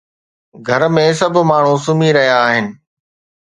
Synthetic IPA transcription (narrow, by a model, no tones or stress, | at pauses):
ɡʱɐɾmẽs̬ɐb̆ʱmaːɳ̤ũsʊmiɾɐɦjaːɦɪnɪ̆